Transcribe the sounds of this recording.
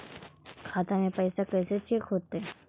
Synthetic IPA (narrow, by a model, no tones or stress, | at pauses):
kʰat̪anẽpəjsakəjset͡ɕʰikɦot̪ːeː